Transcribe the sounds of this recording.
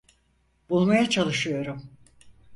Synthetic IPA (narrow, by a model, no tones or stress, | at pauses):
b̥ulˠmajat͡ʃʰalˠɯʃɯjo̞ɾum